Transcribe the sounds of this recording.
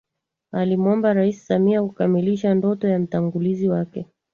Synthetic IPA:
alimɔmbaɾaisi̥samiakukamiliʃandɔtɔjam̩taŋɡuliziwakɛ

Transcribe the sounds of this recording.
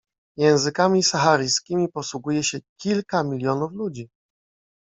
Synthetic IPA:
jɛ̃w̃zɘkamʲisaxaɾɘjskʲimʲipɔswuɡujɛɕɛkʲilkamʲilʲjɔnuflud͡ʑi

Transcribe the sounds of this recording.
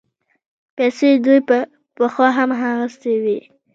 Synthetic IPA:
pɛjsed̪uj | pəxwɑɦamɦaɣəst̪ewi

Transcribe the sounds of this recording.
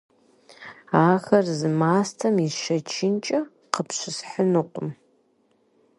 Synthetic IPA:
aːxɐrzɨmaːstʰɐmiʃɐt͡ʃʰɪnt͡ʃʼɐ | qəpɕʷɪsħənɨqʷʼʊm

